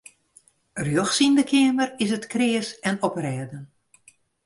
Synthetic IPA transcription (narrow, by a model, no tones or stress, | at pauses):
rjøxsindəkʰɪəmərɪsətkrɪːəsɛnɔprɛːdən